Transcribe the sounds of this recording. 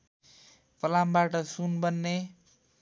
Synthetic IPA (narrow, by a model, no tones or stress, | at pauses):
pʌlambaʈʌsunbʌnːe